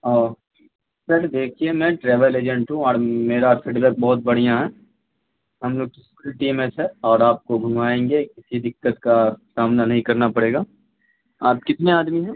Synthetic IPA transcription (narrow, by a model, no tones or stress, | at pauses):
ɔː | sɐɾd̪eːkʰiemɛ̃ːʈɾɛːʋəleːd͡ʒə̃ɳʈɦũɔːɾmeːɾafiːɖbɛːk̚bɔːʊt̪̚bɐɽ̤ijãɦɛː | ɦɐmloːɡ̚kiskuːlʈiːmesɦɛɔːɾaːp̚koɡʱʊmaːẽːŋɡekɪsid̪ɪkːət̪kasaːmnanɐɦĩkɐɾnapɐɽeːɡaː | aːp̚kɪt̪neaːd̪miɦɛ̃ː